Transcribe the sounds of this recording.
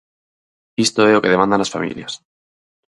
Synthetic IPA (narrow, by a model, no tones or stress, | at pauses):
ist̪oeoke̞ðemãnd̪anlasfa̰mḭljas